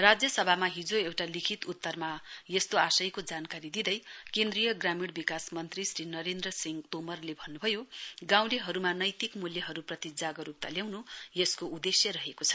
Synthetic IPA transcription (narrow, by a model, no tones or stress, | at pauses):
rad͡zjʌsʌbʱamaɦid͡zoewʈalikʰit̪ut̪ːʌrmajʌst̪oasʌjkod͡zankaɾid̪id̪ʌjkend̪rijʌɡramiɽbikasmʌnt̪risrinʌɾend̪rʌsiŋɡt̪omʌrlebʱʌnːubʱʌjoɡãw̃leɦʌɾumanʌjt̪ikmuljʌɦʌɾuprʌt̪id͡zaɡʌɾup̚t̪aljaw̃nujeskoud̪esjʌɾʌɦekot͡sʰʌ̥